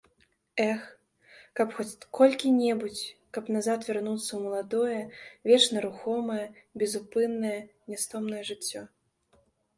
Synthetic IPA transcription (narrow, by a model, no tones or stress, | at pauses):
ɛx | kɐpxɔt͡sʲkɔlʲkʲinʲɛbut͡sʲkɐpnazat̪vʲɛrnut̪sːɐwmɐlˠad̪ɔjɛvʲɛt͡ʂnɐɾuxɔmɐjɛbʲɛzupɨnːɐjɛnʲɛst̪ɔmnɐjɛʐɨt͡sʲːɔ